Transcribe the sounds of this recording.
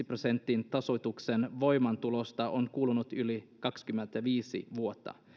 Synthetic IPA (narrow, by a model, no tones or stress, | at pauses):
iprose̞nt̪ːint̪ɑso̞jt̪uksenʋo̞jmɑnt̪ulost̪ɑʔoŋkuːlunut̪ylikɑkskymːent̪æʋiːsḭʋuo̞t̪ːɑ̰